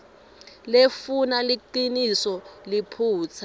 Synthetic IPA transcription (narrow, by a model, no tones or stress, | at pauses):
lefunaliǃinisɔlipʰuːt͡sʰa